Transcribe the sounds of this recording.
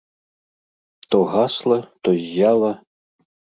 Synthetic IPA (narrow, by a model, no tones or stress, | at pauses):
t̪ɔɣaslˠɐt̪ɔzʲːalˠɐ